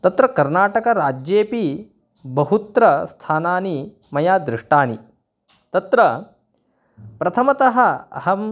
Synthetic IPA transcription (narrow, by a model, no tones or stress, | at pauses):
t̪ɐt̪ɾɐkɐɾnaːʈɐkɐɾaːd͡ʒjeːpi | bɐɦut̪ɾɐst̪ʰaːnaːni | mɐjaːd̪ɾɪʂʈaːni | t̪ɐt̪ɾɐ | pɾɐt̪ʰɐmɐt̪ɐɦɐɐɦɐ